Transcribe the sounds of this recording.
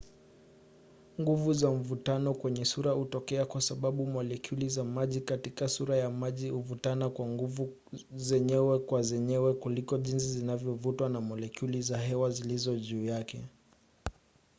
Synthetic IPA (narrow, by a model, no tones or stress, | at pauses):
ŋɡuvuzaɱ̩vutanɔkwɛɲɛsuɾahutɔkɛakwasaɓaɓumɔlɛkʰulizamaʄikatikasuɾajamaʄihuvutanakwaŋɡuvu | zɛɲɛwɛkwazɛɲɛwɛkulikɔʄins̬izinavjɔvutwanamɔlɛkulizaɦɛwazilizɔʄuːjakɛ